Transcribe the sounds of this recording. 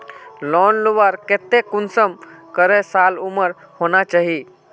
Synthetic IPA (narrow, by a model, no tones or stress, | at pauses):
lɔːnluʋaɾket̪ekʊnsəmkəɾesaːluməɾhonat͡ʃaːɦi